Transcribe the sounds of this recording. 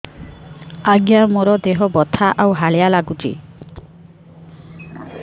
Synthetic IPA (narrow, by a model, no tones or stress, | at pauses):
aɡjamoɾɔd̪eɦɔbɔt̪ʰaʔawɦaɭjalaɡut͡ʃḭ